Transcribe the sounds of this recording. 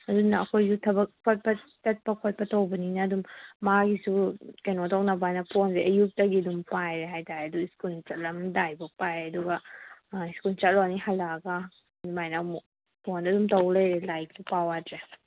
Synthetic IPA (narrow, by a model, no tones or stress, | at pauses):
ɐdunːɐːkʰojsutʰɐbɐkkʰːot̚pɐtɐt̚pɐkʰot̚pɐtɐwbɐninɐːdumːaɡisukajnotawnɐbanɐpʰonseʔɐjuk̚tɐɡidumpajɾeɦajtaɾeɐduiskult͡ʃɐt̚lɐmdajbɐpajɐduɡɐ | iskult͡ʃɐt̚lɔnihajlaɡa | majnam | pʰonɐdumtɐwleɾelajk̚supawatɾe